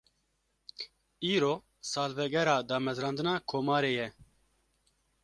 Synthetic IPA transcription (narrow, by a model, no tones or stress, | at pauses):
iːɾoː | sɑːlvɛɡɛɾaːd̪ɑːmɛzɾɑ̃ːnd̪ɨnɑːkʰoːmɑːɾeːjɛ